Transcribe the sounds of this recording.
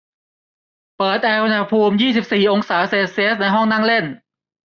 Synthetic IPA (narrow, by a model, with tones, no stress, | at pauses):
pɤː˨˩t̪̚ʔɛː˧wna˧pʰuː˧mjiː˥˩si˨˩p̚siː˨˩ʔo˧ŋsaː˩˦seː˧˩si˧˥˦t̪̚na˧jɦɔ˥˩ŋna˥˩ŋle˥˩n